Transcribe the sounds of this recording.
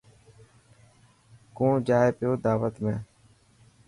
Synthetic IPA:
kõːd͡ʒaːepɪjoːd̪aːʋət̪mẽː

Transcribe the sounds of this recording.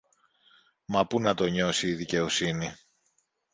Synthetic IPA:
mɐpunɐt̪o̞ɲo̞siːðice̞o̞sini

